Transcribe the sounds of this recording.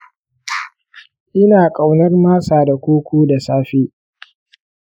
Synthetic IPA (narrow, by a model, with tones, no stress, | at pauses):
ʔɪ˦naː˨kʼa˨wnɐ˦rmaː˦saː˨da˨kʷoː˦kʷoː˦da˨saː˦ɸeː˦